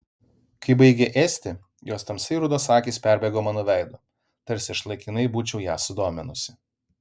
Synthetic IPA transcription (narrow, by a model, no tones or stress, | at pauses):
kɐɪbɐɪɡʲɛʔeːsʲt̪ʲɪ | joːst̪ɐmsʲɐɪɾʊd̪oːsɑːkʲiːspʲæˑɾʲbʲɛɡoːmɑːnoːʋʲæˑɪd̪o | t̪ɐɾʲsʲɪɪʃlˠɐɪkʲɪnɐɪbuːt͡ʃʲɛʊjæːsʊd̪oːmʲɛnʊsʲɪ